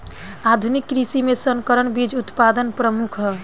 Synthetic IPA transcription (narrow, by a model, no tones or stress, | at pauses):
ad̪ʱunikːɾisimesəŋkəɾənbid͡ʒut̪pad̪ənpɾəmukʰɦɔ